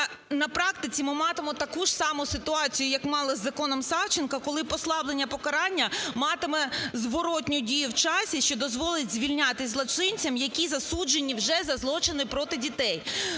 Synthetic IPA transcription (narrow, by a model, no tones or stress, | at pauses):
nɐpɾɑkt̪ɪt͡sʲimɪmɑt̪ɪmɔt̪ɐkuʒ̥sɑmʊsɪt̪ʊɑt͡sʲijʊjɐkmɑlˠɪzːɐkɔnɔmsɑwt͡ʃɪnkɐkɔlˠɪpɔslˠɑblenʲːɐpɔkɐɾɑnʲːɐmɑt̪ɪmɛzʋɔɾɔtʲnʲʊdʲijʊwt͡ʃɑsʲiʃt͡ʃɔd̪ɔzʋɔlˠɪtʲzʲʋʲilʲnʲat̪ɪsʲzlˠɐt͡ʃɪnʲt͡sʲɐmjɐkʲizɐsud͡ʒenʲːiwʒɛzɐzlˠɔt͡ʃɪnɪpɾɔt̪ɪdʲit̪ɛj